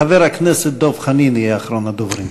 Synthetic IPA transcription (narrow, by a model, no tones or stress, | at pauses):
avɛɾaknɛsət̚d̪ɔfχaniːnjɛaχɾɔnad̪ʊvɾin